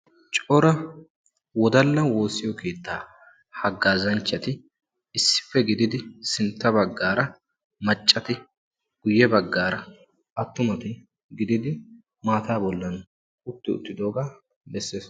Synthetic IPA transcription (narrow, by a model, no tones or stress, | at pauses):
t͡ʃʼɔɾɐ | wɔd̪ɐlːɐnwo̞ːsɪjɔkʰe̞ːt̪ːaː | hɐɡːaːzɐnt͡ʃːɐt̪ɪ | ɪsːɪ̥fːɛɡɪd̪ɪd̪ɪsɪnt̪ːɐbɐɡːaːɾɐ | mɐt͡ʃʼːɐt̪ɪ | ɡ̥ʊjːɛbɐɡːaːɾɐ | ʔɐt̪ːʊmɐt̪ɪ | ɡɪd̪ɪd̪ɪ | maːt̪aːbɔlːɐn | ʊt̪ːɪʊ̰t̪ːɪd̪o̞ːɡaː | bɛsːeːs